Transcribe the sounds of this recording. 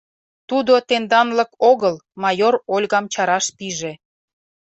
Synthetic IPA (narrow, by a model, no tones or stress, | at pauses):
t̪ud̪ot̪end̪ɑnləkoɣəlmɑjoɾolʲɣɑmt͡ɕɑɾɑʃpiʒe